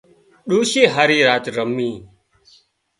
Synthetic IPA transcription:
ɗuːʃiːɦaːɾiːɾaːt̪ɾəmːĩː

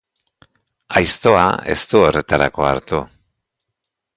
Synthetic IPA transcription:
ajst̪o̞a̰e̞̰st̪uo̞re̞t̪aɾa̰ko̞aɾt̪u

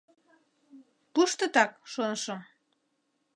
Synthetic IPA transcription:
puʃt̪ə̆t̪ɑk̚ʃonəʃɤm

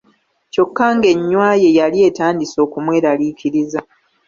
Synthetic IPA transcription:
co̞kːaːŋɡe̞ɲːwaːje̞jalie̞ːtaːndiso̞ːkumweːɾaliːcʰiɾiza

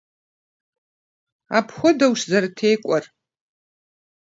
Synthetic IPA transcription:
apʰχʷɔdawʂzartʰejkʷʼar

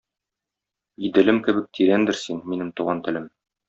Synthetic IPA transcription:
id̪ɘ̆lɘmkɘ̆bɘk̚t̪ʰiɾænd̪ɘɾsinminɘmt̪uʁɑnt̪ɘ̆lɘm

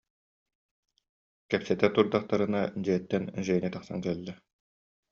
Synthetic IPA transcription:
kɛpsɛt̪ɛt̪uɾd̪aχt̪aɾɯnad͡ʑiɛt̪ːɛnʒɛnit̪aχsa̰nkɛlːɛ

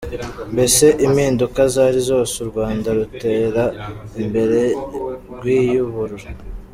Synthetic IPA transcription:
mbe̞se̞ʔimiːndukazaːɾizo̞ːsuɾɡwaːndaɾute̞ːɾaimbe̞ɾe̞ɾɡwiːjuβuɾuɾa

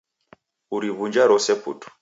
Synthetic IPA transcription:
uɾiβuɲd͡ʒaɾɔsɛpṵtu̥

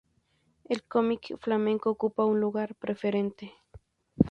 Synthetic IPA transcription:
elkomikflamẽŋkoːkupaunluɣaɾpɾefeɾent̪e

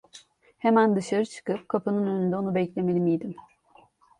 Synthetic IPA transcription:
hemænd̪ɯʃaɾɯt͡ʃʰɯ̥kɯp̚kʰapʰɯnɯnø̞nynd̪ɛo̞nubɛclʲe̞melʲimijd̪im

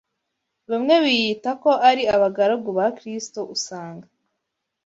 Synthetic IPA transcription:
βemŋe̞βijitako̞ʔaɾiaβaɡaɾaɡuβakɾistoʔusaːŋɡa

